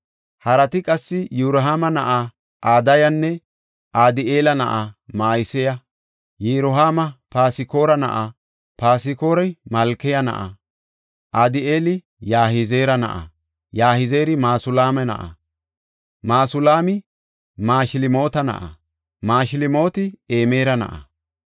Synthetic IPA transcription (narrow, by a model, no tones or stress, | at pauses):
hɐɾɐt̪ɪkʼɐsːɪjuɾɦaːmɐnɐʔa | ʔaːd̪ɐjɐnːɛ | ʔaːd̪ɪʔeːlɐnɐ̰ʔamaːjɪsɛjɐ | jeɾʊɦaːmɐpaːsɪko̞ːɾɐnɐ̰ʔa | paːsɪko̞ːɾɐmɐlkːɛjɐnɐ̰ʔa̰ | ʔaːd̪ɪeːlɪ | jaːhɪzeːɾɐnɐ̰ʔɐ̰ | jaːhɪze̞ːɾɪmaːsʊlaːmɛnɐ̰ʔɐ̰ | maːsʊlaːmɪ | maːʃɪlɪmo̞ːt̪ɐnɐ̰ʔɐ̰ | maːʃɪlɪmo̞ːt̪ɪeːme̞ːɾɐnɐ̰ʔɐ̰